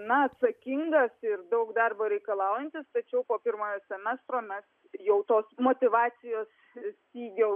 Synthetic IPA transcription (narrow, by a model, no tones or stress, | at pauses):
nɐɐt̪sɐkʲɪŋɡɐsɪrd̪ɐʊkd̪ɐrboːɾʲɛɪkɐlˠɑˑʊjɛnʲt̪ʲɪst̪ɐt͡ʃʲɛʊpoːpʲɪrmoːjoːsʲɛmʲɛst̪ɾoːmʲɛs | jɛʊt̪oːsmoːt̪ʲɪʋɑːsʲɪjoːs | t̪ʲiːɡʲɛʊ